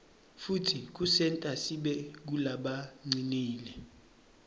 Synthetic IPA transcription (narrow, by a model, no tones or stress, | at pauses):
futʰik̬usɛntʼasiɓɛk̬ulaɓaŋ͡ǀiniːlɛ